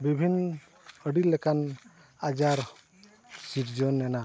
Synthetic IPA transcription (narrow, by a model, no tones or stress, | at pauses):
bibʱinː | əɖilːɛkan | ad͡ʒaɾ | siʈd͡ʒɔnɛna